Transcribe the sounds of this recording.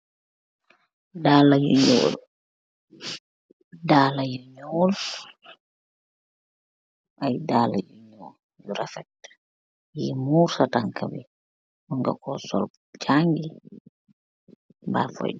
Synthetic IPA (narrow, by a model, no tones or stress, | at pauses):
daːlajṵɲɔ̰ːl | daːlajuɲɔːl | ʔajdala̰juɲɔːl | jjuɾafɛt | jimuɾsataŋkabi | uŋɡa̰kɔsɔ̰l | t͡ʃaŋɡi | ba̰fɔ̰j